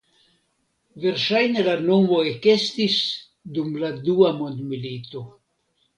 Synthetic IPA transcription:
veɾʃajne̞lanomoekest̪is | d̪umlad̪uamond̪milit̪o̞

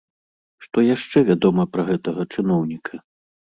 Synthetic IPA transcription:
ʂt̪ɔjaʂt͡ʂɛvʲad̪ɔmɐpɾɐɣɛt̪ɐɣɐt͡ʂɨnɔwnʲikʰɐ

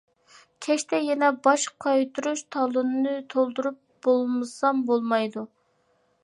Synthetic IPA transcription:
kʲʰɛʃt̪ɛjɛnɛbɑʃqʰɑjt̪ʰuɾuʃt̪ʰɑlˠunnɨt̪ʰolˠd̪uɾup̚b̥olˠmɨsɑmbolˠmɑjd̪u

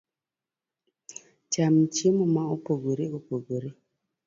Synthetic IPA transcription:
t͡ʃamt͡ʃimomaopoɡoɾeopoɡoɾe

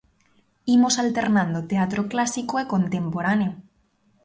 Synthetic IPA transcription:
imosalt̪e̞ɾnãnd̪ot̪eat̪ɾoklasikoeko̞nt̪e̞mpoɾaneo

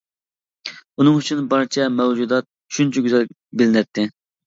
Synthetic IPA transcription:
unɨŋyt͡ʃʰynbɑɾt͡ʃʰɛmɛwd͡ʒud̪ɑt̪̚ | ʃynt͡ʃʰɛɡʲyzɛlʲ | bɪlɪnɛt̪ʰːɪ

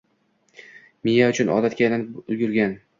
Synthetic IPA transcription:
mijaʊt͡ʃʰʊnʔɒ̰d̪at̪̚kʲajnaʊlɡʲʊɾɡʲan

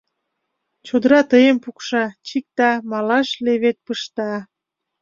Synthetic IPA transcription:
t͡ɕod̪əɾɑt̪əjempukʃɑt͡ɕik̚t̪ɑmɑlɑʃleβet̪̚pəʃt̪ɑ

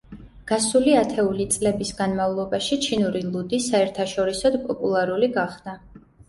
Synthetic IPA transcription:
ɡ̥asuliat̪ʰɛulit̪sʼlɛbisɡanmavlˠɔbaʃit͡ʃʰinuɾilˠud̪isaɛɾt̪ʰaʃɔɾisɔd̪pʼɔpʼulˠaɾuliɡaχd̪̥a

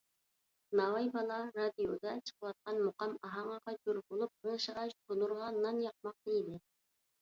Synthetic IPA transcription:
nɑwɑjbɑlˠɑɾɑd̪ijod̪ɑt͡ʃʰə̥qwɑt̪̚qɑnmoqɑmɑɦɑɴɑqɑt͡ʃuɾbolˠup̚əŋʃəʁɑʃt̪ʰonˠuɾʁɑnːɑnjɑq̚mɑq̚d̪id̪ɪ

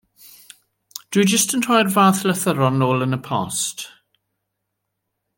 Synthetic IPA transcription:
d̥wɨd͡ʒəstəntʰɔjrvaːθləθəɾɔnoːlənəpʰɔ̰st

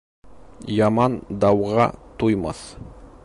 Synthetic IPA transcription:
jɑmɑnd̪ɑwʁɑ̰t̪ʰujmɑ̰θ

